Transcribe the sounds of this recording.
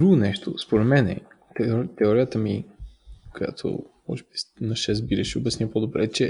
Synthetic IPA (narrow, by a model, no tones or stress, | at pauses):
d̪ɾuɡonɛʃt̪ʰospoɾɛt̪mɛnɛ̰ | t̪ɛt̪ɛɔɾijət̪əmi | koja̰t̪ʰo̰mɔ̰ʒɛbisnɐʃɛsbiɾɛʃɛʊbɐsnjəpod̪obɾɛt͡ʃɛ